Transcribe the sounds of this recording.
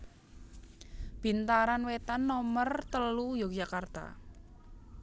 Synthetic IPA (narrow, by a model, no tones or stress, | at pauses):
b̥i̤nt̪aɾanwet̪anːɔmərt̪əlujɔɡd͡ʒakart̪a̰